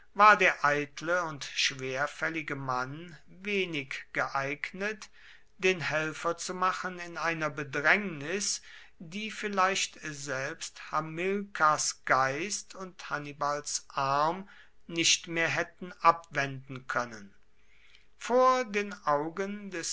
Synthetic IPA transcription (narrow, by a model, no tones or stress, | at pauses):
vaːɐdeːɐʔaɪtʰləʊntʃv̥eːɐfɛlɪɡəman | veːnɪkɡ̥əʔaɪɡnət | d̥eːnhɛlfɐt͡sumaχənɪnaɪnɐbədʁɛŋnɪs | diːfɪlaɪʃtzɛlpsthamɪlkʰasɡ̥aɪstʰʊnthanibalsʔaɐm | nɪʃtmeːɐɦɛtn̩ʔapv̥ɛndn̩kʰœnən | foːɐdeːnʔaʊɡəndɛs